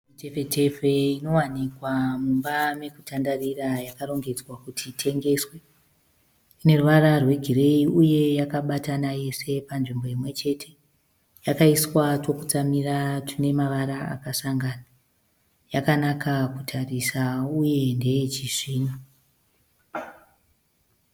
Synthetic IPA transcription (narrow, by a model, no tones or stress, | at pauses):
mite̞fe̞te̞ve̞ino̞wanikwamumbame̞kutʰandarirajakaro̞ŋɡe̞d͡zwakutʰitʰe̞ŋɡe̞swe | ine̞ruʋaɾarwe̞ɡʱire̞iuje̞jakaɓatanaje̞se̞panʐimbo̞imwe̞t͡ʃe̞tʰe̞̥ | jakaiswato̞kut͡samiratʰine̞maʋaɾaa̰kasaŋɡana | jakanakʰakutʰarisauje̞nde̞jet͡ʃiʐiːnu